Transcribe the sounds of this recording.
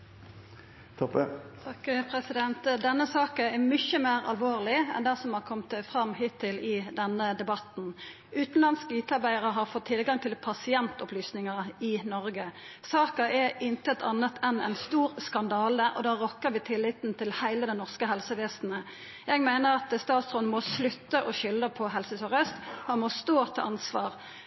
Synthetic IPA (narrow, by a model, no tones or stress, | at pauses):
t̪ʰɔpət̪ʰɑkpʰʁɛsɪd̪ɛnt̪d̪ɛnːəsɑːkəɛmʏçəmeːʁɑ̰lʋoːʁlɪɛ̰nd̪æsɔmhɑʁkʰɔmt̪fʁɑmːɦɪt̪ʰːɪlɪd̪ɛnːəd̪ɛbɑt̪n̩ | ʔʉːt̪n̩lɑnskəyːt̪əɑʁbæɪəʁəɦɑʁfɔt̪ʰːɪlɡɑŋt̪ʰɪlpʰɑsɪɛnt̪ɔplyːsnɪŋəɪnɔɾɡə | sɑːkɑʔɛɪnt̪əɛt̪ʰɑnːət̪ʰɛnɛ̰ɪnst̪uːʁskɑnd̪ɑːləʔɔ̰d̪ɑʁɔkːəʁʋɪːt̪ʰɪlːɪt̪n̩t̪ʰɪlhæɪləd̪ɛnɔʁskəɦɛlsəʋeːst̪n̩ə | jɛɡmæɪnəʁɑt̪st̪ɑːt̪sʁɔnmɔslʉt̪ːəʔɔʃʏlːəpʰɔɦɛlsəsɔʁœst̪hɑnmɔst̪oːt̪ʰɑ̰ʔɑnsʋɑːʁ